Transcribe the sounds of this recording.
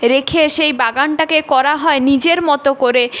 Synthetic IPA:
ɾekʰeʃejbaɡanʈakekɔɾaɦɔenid͡ʑeɾmɔt̪okoɾe

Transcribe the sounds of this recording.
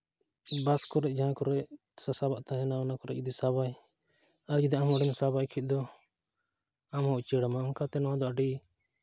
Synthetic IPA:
baskɔɾɛʔd͡ʒaãkɔɾɛʔ | sasabaʔt̪aɦɛnaɔnakɔɾɛʔd͡ʒud̪isaβaj | aɾd͡ʒid̪iamɔɽɛmsabajkʰit̪̚d̪ɔ | amɔʔt͡ʃɛɽamaːmkat̪ɛnɔad̪ɔaɖi

